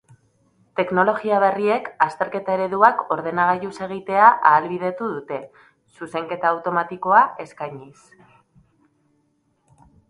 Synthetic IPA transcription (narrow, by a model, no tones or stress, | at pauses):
t̪e̞kno̞lo̞ɣiaβ̞e̞rie̞kast̪e̞ɾke̞t̪ae̞ɾe̞ðuako̞ɾðe̞naɣ̞ajuse̞ɣ̞it̪e̞aʔaːlβiðe̞t̪uðut̪e̞ | suse̞ŋke̞t̪aːwt̪o̞mat̪iko̞ae̞skajɲis